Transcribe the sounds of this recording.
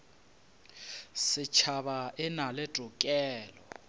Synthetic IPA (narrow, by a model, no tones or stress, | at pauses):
sɪt͡ʃʰaβaɪnalɛtʼʊkʼɛːlɔ